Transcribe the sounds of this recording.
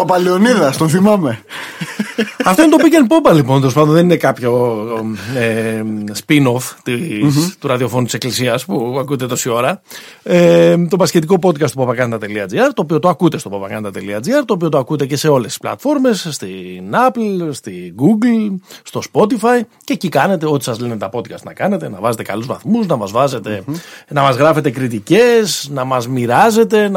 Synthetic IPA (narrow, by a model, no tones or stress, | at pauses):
opɐlioniðɐst̪onθimɐme | ɐft̪oint̪opicenpo̞pɐlipont̪oɾs̬ɐnd̪ðenine̞kɐpço̞ | espino̞ft̪it̪uɾɐðio̞fo̞nut̪ise̞klisiɐspuɐkut̪et̪o̞sio̞ɾɐet̪o̞pɐsce̞t̪iko̞po̞d̪̚kɐst̪upɐpɐkɐnet̪ɐt̪e̞liɐd͡ziɐɾt̪o̞ːpio̞t̪oɐkut̪est̪o̞pɐpɐkɐ̰nt̪ɐt̪eliɐd͡ziɐɾt̪oːpio̞t̪oɐkut̪e̞ce̞se̞o̞le̞st̪i̥splɐ̰t̪fo̞ɾme̞sːt̪inɐplst̪iɡuɡlst̪o̞spo̞t̪ifɐice̞cikɐne̞t̪e̞o̞t̪i̥sɐzlenet̪ɐpo̞t̪̚kɐst̪nɐkɐne̞t̪e̞nɐvɐze̞t̪e̞kɐluzvɐ̰θmuznɐmɐzvɐze̞t̪e̞nɐmɐzɣɾɐfe̞t̪e̞kɾit̪ice̞snɐmɐzmiɾɐze̞t̪e̞